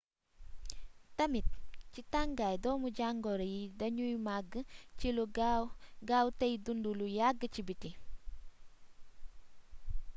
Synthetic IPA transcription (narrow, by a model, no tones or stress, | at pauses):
tɐmit̚t͡ʃitaŋɡajdɔːmuɟaŋɡɔɾejidɐɲujmaɡət͡ʃiluɡɡawtejdundulujaɡət͡ʃibiti